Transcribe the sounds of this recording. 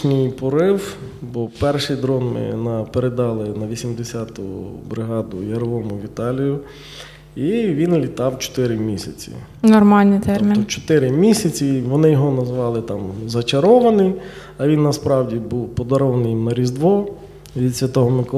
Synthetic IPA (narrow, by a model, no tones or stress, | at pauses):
nʲijpɔɾɪwbɔpɛrʃɪjd̪ɾɔnmɪ̰nɐpeɾed̪ɑlˠɪnɐʋʲisʲimd̪esʲat̪ʊ̰bɾɪɦɑd̪ʊ̰jɐɾɔʋɔmʊʋʲit̪ɑlʲijʊ | iʋʲinlʲit̪ɑwt͡ʃɔ̥t̪ɪɾɪmʲisʲɐt͡sʲḭ | nɔrmɑlʲnɪt̪ɛmʲint͡ʃɔ̥t̪ɪɾɪmʲisʲɐt͡sʲiʋɔnɪjɔɦɔnɐzʋɑlˠɪt̪ɑmzɐt͡ʃɐɾɔʋɐnɪj | ɐʋʲinːɐspɾɑwdʲibuwpɔd̪ɐɾɔʋɐnɪjimnɐɾʲizd̪ʋɔ | ʋʲid̪sʲʋʲɐt̪ɔɦɔmɪk